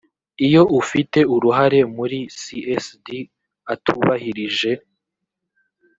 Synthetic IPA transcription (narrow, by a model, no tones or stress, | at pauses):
ijo̞ʔufite̞uɾuɦaɾe̞muɾisiʔesdi | atʰuβahiɾiʒe̞